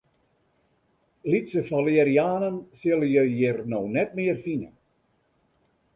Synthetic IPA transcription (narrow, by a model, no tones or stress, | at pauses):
litsəfɔleɾiaːnənsɪlˠəjəjɪrnownɛtmɪərfinə̰